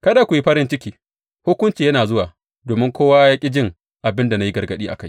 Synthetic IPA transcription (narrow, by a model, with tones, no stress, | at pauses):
kɐ˦da˨kʷu˨ji˦ɸɐ˦ɾɪ˦nt͡ʃɪ˦kʲiː˦ | hʊ˦kʷʊ˦nt͡ʃiː˨jɐ˦naː˨zʊ˦waː˨ | doː˨mɪ˦ŋkʷoː˦waː˦ja˦kʲʼɪ˦d͡ʒɪ˦ŋ | ʔa˨bɪ˦nda˨na˦ji˦ɡɐ˨rɡɐ˨ɗiː˦ʔa̰˨ka˦j